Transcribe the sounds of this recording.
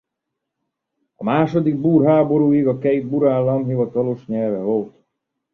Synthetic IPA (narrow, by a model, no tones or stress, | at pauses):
ɒmaːʃod̪iɡ̚buːrɦaːbo̞ɾuːiɡɒkɛjid̪̚buɾaːlːɒmɦivɒt̪ɒloʃɲɛlvɛvo̞lt̪